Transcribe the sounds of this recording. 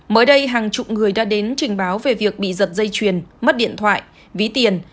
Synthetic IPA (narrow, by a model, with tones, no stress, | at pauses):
məː˨˦jɗə˧jɦaː˨˩ŋt͡ɕʊ̰˨˩k͡p̚ŋɨ˨˩əjɗaː˧˥ɗe˨˦nt͡ɕï˨˩ŋ̟ɓaː˨˦wve˨˩vi˨˩ək̚ɓḭ˧˨zə˨˩t̚zə˧jt͡ɕwi˨˩ənmə˦˥t̚ɗḭ˧˨ənt̪ʰwa̰ː˧˨jʔ | vi˨˦t̪i˨˩ən